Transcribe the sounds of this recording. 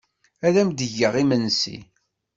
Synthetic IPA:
ælæmd̪əʝəʁimənsḭ

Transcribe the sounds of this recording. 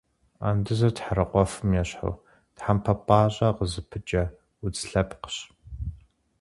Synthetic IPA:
a̰ːndɨzɐtħaɾɐqʷɔfɨmjɛɕħa̰w | tħampʰɐpʼɑːɕʼɐqəzɨpʰɨt͡ʃʼɐ | wʊt͡sʼɬɐpqə̥ɕ

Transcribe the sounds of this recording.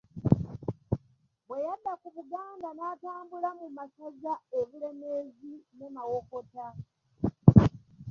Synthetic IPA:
βwe̞jadːakuβuɡaːndanataːmbulamumasazaeβule̞me̞zinemawo̞kota

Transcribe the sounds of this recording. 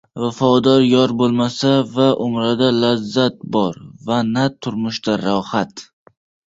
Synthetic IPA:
vafɒd̪ɒɾjɒɾbolˠmasavaʔʊmɾad̪alazːat̪̚bɒɾvanat̪ʰːʊɾmʊʃd̪aɾɒhat̪

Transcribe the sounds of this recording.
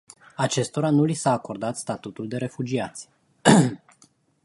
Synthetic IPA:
at͡ʃe̞st̪o̞ɾanulisaːko̞rd̪at̪st̪at̪ut̪uld̪e̞ɾe̞fud͡ʒiat̪sʲ

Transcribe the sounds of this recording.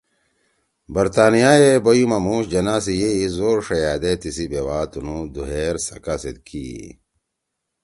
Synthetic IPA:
bɐɾt̪aːnijaːjebɐjumɐmuːɕd͡ʑɐnaːs̬ijeizoːɾʂɐjaːd̪et̪isibewaːt̪unud̪uɦeːɾsɐkased̪̚kʰḭ

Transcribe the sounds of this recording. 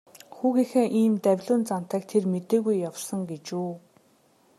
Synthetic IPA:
xuːɣiːxeːʔiːmt̪æwʲɮʊːnt͡san̥t̪æːkt̪ʰermet̪eːɣujːawrsə̆ŋɡet͡ɕuː

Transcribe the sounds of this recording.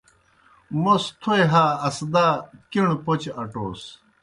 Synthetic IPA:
most̪ʰoeɦaːɐsd̪aːkiɳpot͡ɕɐʈo̰ːs

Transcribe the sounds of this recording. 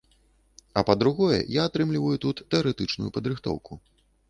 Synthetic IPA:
ɐpɐd̪ɾuɣɔjɛ̰jaːt̪ɾɨmlʲivɐjut̪ut̪ːɛɐɾɛt̪ɨt͡ʂnujupɐd̪ɾɨxt̪ɔ̰wku

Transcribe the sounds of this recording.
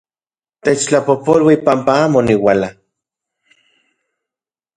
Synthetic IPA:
t̪et͡ʃt͡ɬapopolwipampaaːmoniwala

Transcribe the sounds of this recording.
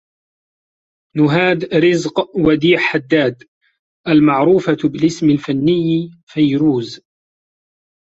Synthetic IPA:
nʊɦaːd̪ɾɪzqwad̪iːħħad̪ːaːd̪ | ʔalmaʕɾuːfabɪlɪsmalfanːɪjːfajɾuːz

